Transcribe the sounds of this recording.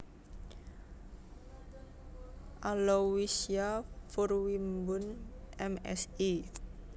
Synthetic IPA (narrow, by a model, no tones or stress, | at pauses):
ʔalɔwisiafʊrwimbʊnʔɛmɛ̰si